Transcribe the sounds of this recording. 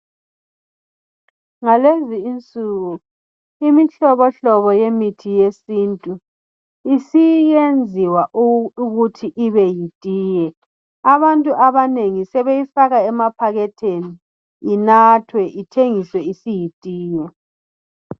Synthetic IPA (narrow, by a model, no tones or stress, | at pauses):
ŋaleziːnt͡sʼuɣu | imiɬɔβɔɬɔβɔjemitʰijesintʼu | isijend͡zʱiwaʔuɣutʰiʔiβɛjitʼiːjɛ | aβantʼuʔaβaneŋisɛβejifaɣaɛmapʰaɣɛtʰeniː | natʰwɛʔitʰeŋiswɛisijitʼiːjɛ